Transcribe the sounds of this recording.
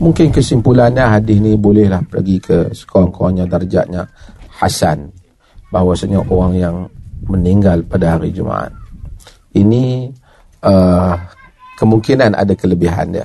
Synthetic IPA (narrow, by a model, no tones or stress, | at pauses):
muŋkɪnkəsimpulanɲaɦadɪsnibolɛhlahplə̰ɡikʰəsə̥koɾaŋkoɾaŋɲadərd͡ʒa̰ʔɲaha̰san | bahwasaɲaʔoɾaŋjaŋməniŋɡalpadaɦaɾid͡ʒuma̰ʔa̰t̪̚ | ini | ə | kəmuŋkinanʔa̰dakələbiɦa̰ndia̰